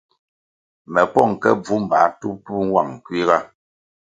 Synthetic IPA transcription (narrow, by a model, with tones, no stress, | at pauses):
mɛ˨pɔ˦˨ŋ˨kɛ̰˦b͡vu˨˦m̩˨ba˨˦tu˦pu˦ŋ˦wa̰˨ŋ̩˨kwi˦ɣa˦